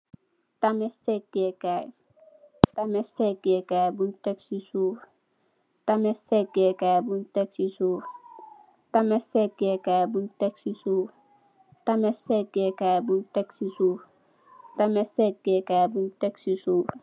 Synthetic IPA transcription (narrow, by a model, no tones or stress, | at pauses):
tamɛsɛk̚ɡ̥ekaj | tamɛsɛk̚ɡekajbunteksisuːɾ | tamɛsɛk̚ɡekajbunteksisuːɾ | tamɛsɛk̚ɡekajbunteksisu | tamɛsɛɡekajbunteksisu | tamesɛk̚ɡ̥ekajbunteksisuː